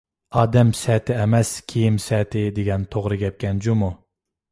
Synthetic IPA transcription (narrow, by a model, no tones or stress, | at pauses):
ɑːd̪ɛmsɛt̪ʰɪɛmɛskʲʰijimsɛːt̪ʰɪd̪eɡʲɛnt̪ʰoʁɾɨɡʲɛp̚kʲɛnd͡ʒumu